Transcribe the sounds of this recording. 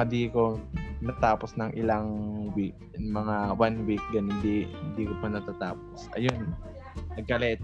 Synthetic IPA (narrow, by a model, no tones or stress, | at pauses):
ɐd̪iko̞nɐt̪aːposnɐŋʔɪlaŋwik̚ | mɐŋawanwik̚ɡɐnhɪnd̪ihɪnd̪iːkopɐnɐt̪at̪aːposʔɐ̰jon | nɐɡ̚kːɐlɛːt̪